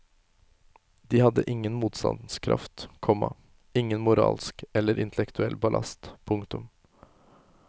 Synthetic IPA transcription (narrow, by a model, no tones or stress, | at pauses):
d̪iːhɑd̪əʔɪŋːənmuːt̪st̪ɑ̰nd̪n̩skʰɾɑ̰ft̪kʰɔmɑ | ɪŋːənmʊɾɑ̰ːlskɛlːəɾʔɪnt̪ɛlɛkt̪ʉɛlbɑlʔɑ̰st̪pʰʊŋt̪ʊm